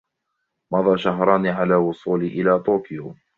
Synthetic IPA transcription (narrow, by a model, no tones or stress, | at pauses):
mɑðˤɑːʃaɦɾˤɑːnʕalaːwʊsˤuːliʔɪlaːt̪uːkɪjʊ